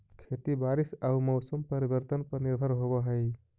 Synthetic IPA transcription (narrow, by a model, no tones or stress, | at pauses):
kʰet̪ibaɾisaumɔʊsəmpəɾibəɾt̪ənpəniɾbʱəɾɦobəɦəj